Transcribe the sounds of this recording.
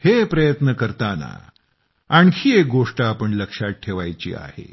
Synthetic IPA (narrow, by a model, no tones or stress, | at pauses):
hepɾəjət̪nəkəɾt̪ana̰ | aɳkʰiːek̚ɡoʂʈaːpəɳləkʂat̪̚ʈʰeʋajt͡ɕḭːa̰hḛ